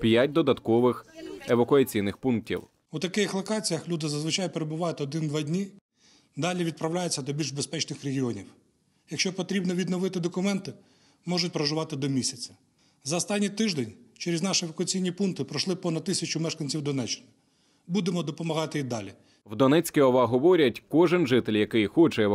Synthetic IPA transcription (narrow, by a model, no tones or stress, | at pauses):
pʲjatʲd̪ɔd̪ɐt̪kɔʋɪxeʋɐkʊɐt͡sʲijnɪxpunk̚tʲḭw | ut̪ɐkɪxlˠɔkɑt͡sʲijɐxlʲud̪ɪzɐzʋɪt͡ʃɑjpeɾebʊʋɑjʊt̪ɔd̪ɪnd̪ʋɑdʲnʲi | d̪ɑlʲiʋʲid̪̚pɾɐwlʲajet͡sʲːɐd̪ɔbʲilʲʒbespɛt͡ʃnɪxɾeɦʲiɔnʲiw | jɐkʃt͡ʃɔpɔt̪ɾʲibnɔʋʲid̪nɔʋɪt̪ɪd̪ɔkʊmɛnt̪ɪ | mɔʒʊtʲpɾɔʒʊʋɑt̪ɪd̪ɔmʲisʲɐt͡sʲɐ̥ | zɐɔst̪ɑnʲːijt̪ɪʒd̪enʲt͡ʃeɾʲeznɑʃɪʋɐkʊɐt͡sʲijnʲipunkt̪ɪpɾɔʃlˠɪpɔnɐd̪̚t̪ːɪsʲɐt͡ʃʊmɛʃkɐnʲt͡sʲiwd̪ɔnɛt͡ʃːɪ̥nɪ | bud̪emɔd̪ɔpɔmɐɦɑt̪ɪid̪ɑlʲi | wd̪ɔnɛt͡sʲkʲiɔʋɐɦɔʋɔɾʲɐtʲkɔʒɪnʒɪt̪elʲjɐkɪjxɔt͡ʃɛɛ